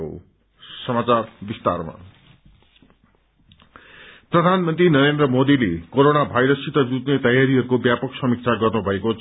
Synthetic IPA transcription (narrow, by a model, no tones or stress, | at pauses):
o̰ | sʌmat͡sarbist̪a̰rma̰ | prʌd̪ʱanmʌnt̪rinʌɾend̪rʌmod̪ilekoɾonabʱajɾʌsit̪ʌd͡zut̪net̪ʌjaɾiɦʌɾukobjapʌksʌmik̚t͡sʰaɡʌrnubʱʌeko